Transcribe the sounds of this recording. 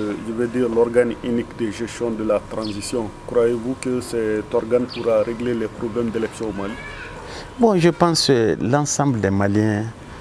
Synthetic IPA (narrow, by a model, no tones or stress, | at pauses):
ʒəvødiːɾlɔɾɡanynikd̪əʒɛst̪jɔ̃d̪əlat̪ɾãzisjɔ̃kɾwajevukəsɛt̪ɔɾɡanpuɾaɾeɡlelɛpɾoblɛmdelɛksjɔ̃omali | bɔ̃ʒəpãskəlãsãmbldɛmalijɛ̃